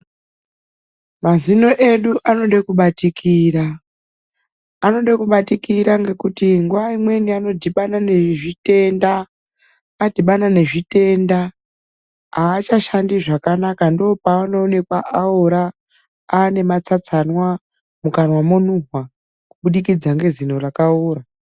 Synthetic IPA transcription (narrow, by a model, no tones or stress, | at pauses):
mazino̞ʔe̞ɗuʔano̞ɗekuɓatikʰira | no̞ɗakuɓatikiɾaŋɡe̞kutiŋɡuʋaimwe̞niano̞dʱiɓanane̞ʐite̞ndaː | dʱiɓanane̞ʐite̞nda | aːt͡ʃaʃandiʐakanakando̞ːpaanoːne̞kwaʔaoɾa | ane̞mat͡sat͡sanwa | mukanwamonuɦwa | kuɓuɗikid͡zaŋɡe̞zino̞rakauːɾa